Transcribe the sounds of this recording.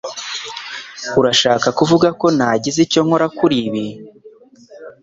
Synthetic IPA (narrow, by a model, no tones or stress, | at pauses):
uɾaʃaːkakuvuɡako̞naɟizico̞ŋho̞ɾakuɾiβi